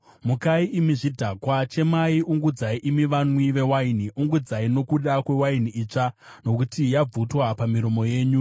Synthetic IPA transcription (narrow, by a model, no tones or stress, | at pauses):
mukaiʔimiʐidʱaːkwat͡ʃe̞maiuŋɡud͡zaiʔimiʋanwiʋe̞wainiʔuŋɡud͡zaino̞kuɗakwe̞wainiʔiːt͡ʂano̞kutijab͡vutwapamiɾo̞mo̞je̞ːɲu